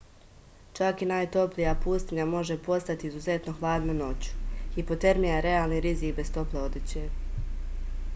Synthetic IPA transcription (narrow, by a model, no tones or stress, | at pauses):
t͡ʃakinaːjt̪o̞plijapuːst̪iɲamo̞ʒe̞po̞st̪at̪iizuze̞t̪no̞xlaːd̪nano̞t͡ɕu̥xipo̞t̪e̞ɾmijaɾeaːlˠniɾizikbe̞st̪o̞ple̞o̞d̪it͡ɕeː